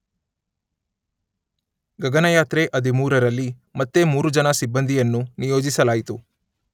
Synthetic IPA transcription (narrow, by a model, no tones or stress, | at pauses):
ɡɐɡɐnɐjaːt̪ɾeʔɐd̪imuːɾɐɾɐlːimɐt̪ːe̞muːɾud͡ʒɐnɐsibːɐnd̪ʱijɐnːunijoːd͡ʒisɐlaːjit̪u